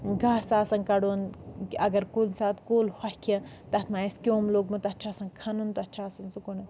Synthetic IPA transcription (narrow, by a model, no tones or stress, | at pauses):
ɡaːsaːsɐnkɐɽonɐɡɐɾkulnsaːt̪koːlhɐhʲkʰɐ̃ | t̪ɐt̪ʰmaeskʲoːmloːɡmɐt̪ɐtːt͡ʃʰaːsɐnkʰɐnunt̪ɐtːt͡ʃʰaːsɐnsukonɐ